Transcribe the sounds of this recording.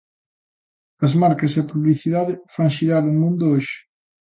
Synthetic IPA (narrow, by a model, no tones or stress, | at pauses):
ɐzmaɾkɐs̬eɐpuβliθiðaðɪfaŋʃiɾaɾomũnd̪ʊoʃɪ̥